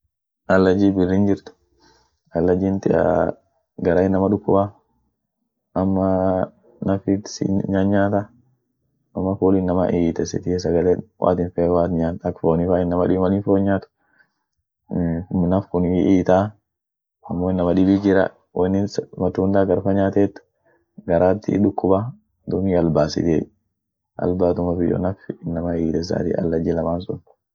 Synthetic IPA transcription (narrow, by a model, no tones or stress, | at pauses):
ʔɐlːɐd͡ʒiːbɪrːind͡ʒɪɾt̪ʊ̥ | ʔɐlːɐd͡ʒiːnt̪ɪɐ̰ | ɡɐɾaɪnːɐmɐᶑʊkːʊba | ʔɐmːɐ | nɐfɪtsɪ̰ɲaɲːaːt̪a | ʔɐmːɐfuːlɪnːɐmɐ̰ʔiːt̪ɛsɪ̰t̪ɪes̬ɐɡɐleːwʔa̰ːt̪ɪnfɛwaːt̪ɲaːnɐkːfoːnɪfaːɪnːɐmɐᶑɪmɐliːnfoːɲːaːt̪ʊ̥ | nɐfkʊniʔiːt̪aː | ɐmːoːɪnːɐmɐᶑɪbiːd͡ʒɪɾɐ̰ | wɐnːɪnsmɐt̪ːuːnd̪aːɡɐɾfɐɲaːt̪eːt̪ː | ɡɐɾaːt̪ːɪ̰ᶑʊkːʊba | d̪ʊmiːɐlbaːsɪ̰t̪e | ʔɐ̰lbaːt̪ʊmɐfɪjo̰nɐfɪnːɐmɐiːt̪ɛs̬a̰ːt̪ḭʔɐ̰lːɐd͡ʒɛlɐmaːnsʊk